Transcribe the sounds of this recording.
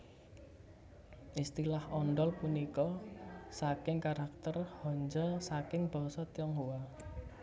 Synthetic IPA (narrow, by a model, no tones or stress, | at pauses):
ʔist̪ilahɔnɖɔlpunikɔsakɪŋkaɾak̚t̪ərhɔɲd͡ʒɔsakɪŋb̥ɔ̤sɔt̪jɔŋɦuwa